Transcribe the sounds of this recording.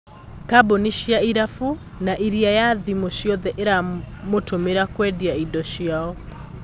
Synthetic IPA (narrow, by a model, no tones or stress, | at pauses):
kaboniʃiaiɾafu | naʔiɾiajaðimoʃiɔðɛʔeɾamotomeɾakwɛdiaidɔʃiaɔ